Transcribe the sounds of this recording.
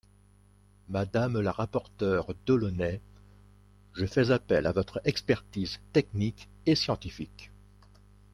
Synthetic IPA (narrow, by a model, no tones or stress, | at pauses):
mad̪amlaʁapɔʁt̪œʁd̪ɔlɔnɛ | ʒəfɛzapɛlʔavɔt̪χɛkspɛʁt̪izt̪ɛknik | esjɑ̃t̪ifik